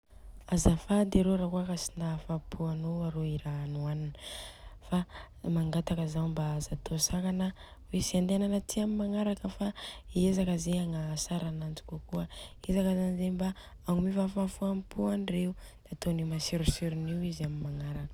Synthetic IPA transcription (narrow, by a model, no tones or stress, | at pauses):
azafad̪eɾoɾakuakasinafapʰuanoaɾoiɾanuaninəfa | maŋɡat̪akəzambaazat̪osakanə | wesiand̪enanət̪ʰiamimaŋaɾakəfaiezakəzeaŋasaɾanant͡si̥kuakuəezakazanizemba | aŋmifafafuampuaɳɖ͡ʐeu | d̪̥aat̪onimasiɾusyɾuniwizamimaŋaɾakə